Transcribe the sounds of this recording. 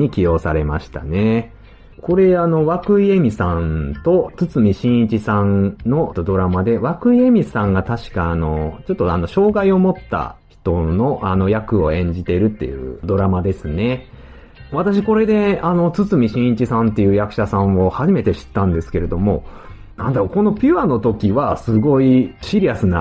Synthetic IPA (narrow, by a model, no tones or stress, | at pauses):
ɲ̟ikʲijo̞saɾe̞maɕi̥t̪ane̞ | ko̞ɾe̞ano̞βakɯ̟ie̞mʲisãnt̪o̞t͡sɨt͡sɨmʲiɕĩɰ̃it͡ɕisãnno̞d̪o̞ɾamad̪e̞βakɯ̟ie̞mʲisãŋɡat̪aɕi̥kaːno̞t͡ɕo̞t̪ːoano̞ɕo̞ːɡaio̞mo̞t̪ːa̰çi̥t̪o̞no̞ʔano̞jakɯ̟o̞̰ẽ̞ɲ̟d͡ʑit̪e̞ɾɯ̟t̪ːe̞̰jɯ̟̰ːd̪o̞ɾamad̪e̞sɨne̞ | βat̪aɕ̬iko̞ɾe̞d̪e̞ano̞t͡sɨt͡sɨmʲiɕĩɰ̃it͡ɕisãnt̪ːe̞jɯ̟ːjakɯ̟̥ɕasãɰ̃o̞haʑime̞t̪e̞ɕi̥t̪ːãnd̪e̞sɨ̥ke̞ɾe̞d̪o̞mo̞nãnd̪aoko̞no̞pʲiano̞t̪o̞kʲiβasɨɡo̞iɕiɾʲiasɨna